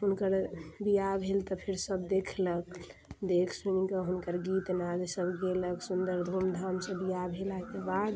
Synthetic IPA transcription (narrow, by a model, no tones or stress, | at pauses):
ɦunkəɾbijabʱelt̪ɔpʰiɾsəbd̪ekʰləkd̪ekʰsunikəɦunkəɾɡit̪nad͡ʒsəbɡeləksund̪əɾd̪ʱumd̪ʱamsə̃bijabʱelakebad̪